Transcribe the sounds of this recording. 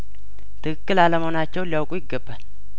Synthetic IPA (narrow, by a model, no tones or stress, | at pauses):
t̪ʰɨkʰɨkːɨlaləmhonat͡ʃːɛwliawkʼujɪɡːəbːal